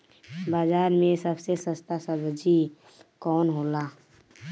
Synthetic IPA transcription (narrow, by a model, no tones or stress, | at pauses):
baːzaːɾmẽsɐbsesəst̪asəbd͡ʒi | kɔːnɦoːlaː